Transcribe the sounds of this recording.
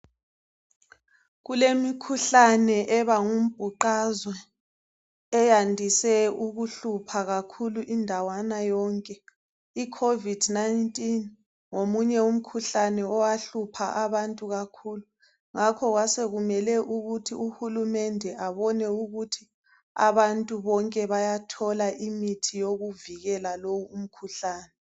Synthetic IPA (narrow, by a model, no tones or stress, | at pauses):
ɣulemikʰuɬanɛʔɛβaŋum̩b̥ʱuǃazwɛ | ɛjandʱisɛuɣuɬupʰaɣakʰuluʔindʱawanajɔŋkʼɛ | ikʰovid̥najntʼin | ŋomuɲɛum̩kʰuɬanɛɔwaɬupʰaʔaβantʼuɣakʰuːlu | ŋakʰɔɣwaseɣumɛlɛʔuɣutʰiuhulumɛndʱɛʔaβɔnɛuɣutʰi | a̰βantʼuβɔŋkʼɛβajatʰɔlaʔimitʰijoɣuviɣɛlalowuːm̩kʰuɬaːnɛ